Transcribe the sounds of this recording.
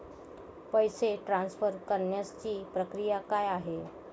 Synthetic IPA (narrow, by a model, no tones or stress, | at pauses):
pəjseʈɾãnsfəɾkəɾɳjəst͡ɕiːpɾəkɾijakajaɦe